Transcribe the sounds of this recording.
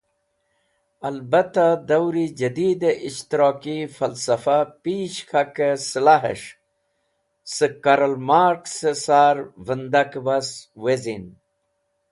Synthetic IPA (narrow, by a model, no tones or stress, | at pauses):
ɐlbɐt̪ad̪ɐwɾid͡ʑɐd̪iːd̪eʔiʃt̪iɾoːkifɐlsɐfapiːɕkʰakesəlaɦḛʂ | səkaɾəlmaːɾksesaːɾvənd̪akbaswezin